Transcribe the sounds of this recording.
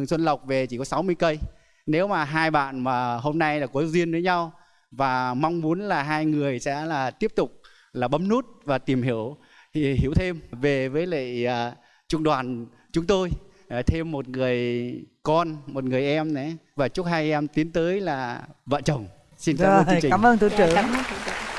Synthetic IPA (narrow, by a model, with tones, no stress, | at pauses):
ŋswə˧nlə˨˩wk͡p̚ve˨˩t͡ɕi˧˩kɔ˨˦sa˨˦wmɨ˧əjkə˧j | ne˨˦wmaː˨˩ɦaː˧jɓa̰ː˧˨nmaː˨˩ɦo˧mna˧jlaː˨˩ku˨˦zi˧ənvəː˨˦jɲa˧w | vaː˨˩ma˧wŋ͡mmu˨˦ənlaː˨˩ɦaː˧jŋɨ˨˩əjsɛ̰˧˥laː˨˩t̪i˦˥əp̚t̪ʊ˨˩k͡p̚ | laː˨˩ɓə˨˦mnu˦˥t̚vaː˨˩t̪i˨˩mhi˧˩əw | hḭ˧˩əwt̪ʰe˧mve˨˩vəː˨˦jlə̰˧˨aː˨˩ | t͡ɕʊ˧ŋ͡mɗwaː˨˩n | t͡ɕʊ˨˦ŋ͡mt̪o˧j | t̪ʰe˧mːo˨˩t̚ŋɨ˨˩əjkɔ˧nmo˨˩t̚ŋɨ˨˩əjʔɛ˧mnɛ̰˨˦vaː˨˩t͡ɕʊ˦˥t̚haː˧jʔɛ˧mt̪i˨˦nt̪əː˨˦jlaː˨˩və̰ː˧˨nt͡ɕə˨˩wŋ͡m | si˧nka˦˧t͡ɕːŋt͡ɕi˨˩aː˨˦məː˧nt̪u˧t͡ɕə˧˨˩a˨˦˨ə˧n˧˨